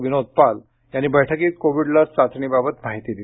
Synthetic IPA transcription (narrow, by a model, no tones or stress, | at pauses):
ʋinod̪̚pal | janːiːbəjʈʰəkiːkoʋiɽlasat͡sɳ̃iːbabət̪maɦit̪iːd̪i